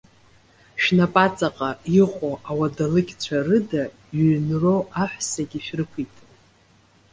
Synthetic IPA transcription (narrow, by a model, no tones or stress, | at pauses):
ʃᶣnapʼat͡sʼaqʼaiqʷʼoʔawadalɨkʲt͡ɕʷʰarɨda | ɥnro̞ʔaħʷᶣsaɡʲiʃᶣrɨkʷʰitʼ